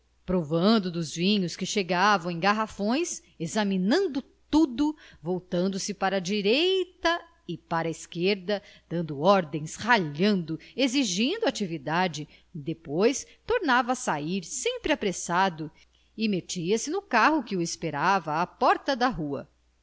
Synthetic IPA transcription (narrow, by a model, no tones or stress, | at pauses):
pɾovɐ̃nd̪ʊd̪ʊzvĩɲʊskɪʃeɡavɐ̃w̃ẽj̃ɡaɦafõj̃s | ezɐminɐ̃nd̪ʊt̪ud̪ʊvowt̪ɐ̃nd̪ʊsɪpaɾɐd͡ʒiɾejt̪ɐ | ɪpaɾɐiskeɾd̪ɐd̪̥ɐ̃nd̪ʊɔɾd̪ẽj̃shaʎɐ̃nd̪ʊeziʒĩnd̪ʊat͡ʃivid̪ad͡ʒɪ | d̪epojs | t̪oɾnavɐːsaiɾsẽmpɾɪapɾesad̪ʊ | ɪmet͡ʃiɐsɪnʊkaɦʊkɪʊespeɾavɐːpɔɾt̪ɐd̪ɐɦuɐ̰